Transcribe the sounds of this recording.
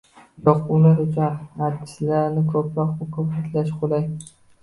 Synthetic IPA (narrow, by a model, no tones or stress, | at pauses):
jɒqʊlaɾʊt͡ʃʰʊnat̪ːʰɪ̥slaɾnɪkʰɵpʰɾɒqʊkʰɵpat̪ʰlaʃqʰolaj